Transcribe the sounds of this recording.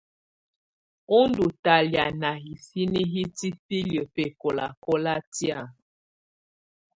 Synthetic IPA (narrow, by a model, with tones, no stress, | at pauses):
o˦ndu˨ta˨lja˨na˨ɦi˨si˦ni˦ɦi˦ti˦pi˦ljə˨pe˦˨kɔ˨la̰˨kɔ˦la˦tja˦˨